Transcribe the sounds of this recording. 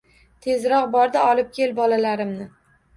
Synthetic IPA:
t̪ʰe̞zɾɒqbɒɾd̪ɪɒlɪp̚kʲʰe̞lbɒlalaɾɪmnɪ

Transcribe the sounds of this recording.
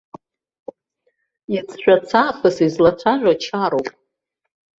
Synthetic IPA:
it͡sʰʼʃᶣʷat͡sʰaːpʰɨsizlat͡sʷʰaʒᶣʷat͡ʃʰaɾowpʼ

